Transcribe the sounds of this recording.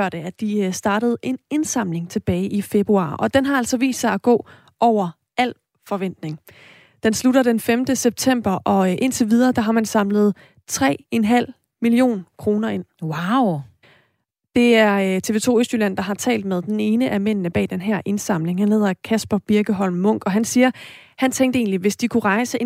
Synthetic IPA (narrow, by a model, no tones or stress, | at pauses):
ɐ̰d̥əæd̥isd̥ɑ̈ːɾ̥əð̞̩ˠe̝ne̝nsɑ̈m̰le̝ŋt͡sʰe̝b̥ɛːɪʔife̝b̥ʁuɑ̰̈ːʔɒ̽d̥enɦɑ̈æl̰sɒ̽ʋḭːsd̥sɑ̈ɪæɡ̥ɔ̰̽ː | ʔɒʊ̰ɐ | æl̰ | fɒ̽ʋen̰d̥ne̝ŋ | d̥ensluɾɐd̥enfemd̥əseb̥̚t͡sʰem̰b̥ɐʔɒ̽ʔe̝nt͡sʰeʋið̞ˠɐːd̥ɑ̈ɦɑ̈mænsɑ̈mləð̞̩ˠ | t͡sʰʁɛ̰ːenɦæl̰ | milio̝̰ːnkʰʁo̝ːnɐe̝n̰waʊ | d̥e̝æɐt͡sʰe̝ːʋe̝ːt͡sʰo̝̰ːøsd̥ylæn̰d̥ɑ̈ɦɑ̈t͡sʰɛ̰ːld̥með̞ˠd̥ene̝ːnəʔæmen̰nəb̥ɛ̰ːd̥enɦæɐ̰ʔe̝nsɑ̈m̰le̝ŋhænhe̝ð̰ˠɐkʰæsb̥ɐb̥iɐɡ̥əɦɒ̽l̰mːɔ̽ŋ̰ɡ̥ɒ̽ɦænsiːɐ | hænt͡sʰeŋ̰ɡd̥əe̝ːnliʋe̝sd̥ikʰuʁɑ̈ɪsəe